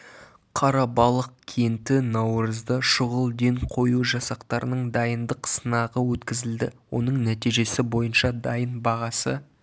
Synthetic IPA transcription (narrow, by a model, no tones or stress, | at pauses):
qʰɑɾɑbɑlˠəq̚kʲʰe̞nt̪ɪnɑwɾəzd̪əʃʊʁəlˠd̪e̞ɴqʰo̞juʒɑsɑqt̪ɑɾənəɴd̪ɑjənd̪əqsənɑʁəwɵt̪kʲɪzɪld̪ɪwo̞̰nəɴnæt̪ijʒe̞sɪbo̞jənʃɑd̪ɑjənbɑʁɑsə